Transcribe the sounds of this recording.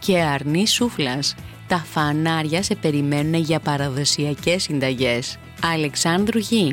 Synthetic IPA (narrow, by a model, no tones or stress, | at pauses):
ce̞ɐɾnisuflɐst̪ɐfɐnɐɾʝɐse̞pe̞ɾime̞nune̞ʝɐpɐɾɐðo̞siɐce̞sːind̪ɐʝe̞s | ɐle̞ksɐnd̪ɾuʝi